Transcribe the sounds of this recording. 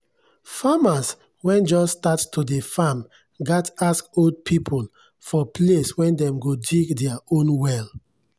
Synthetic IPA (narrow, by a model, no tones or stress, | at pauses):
famas | wɛ̃nd͡ʒɔsːtattʰudefam | ɡataskold̚pʰipʰol | fɔpleswɛ̃ndɛ̃mɡodiɡdɛaõnwɛl